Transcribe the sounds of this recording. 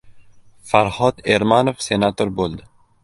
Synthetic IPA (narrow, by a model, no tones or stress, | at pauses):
faɾhɒd̪eɾmanofse̞nat̪ʰoɾbolˠd̪ɪ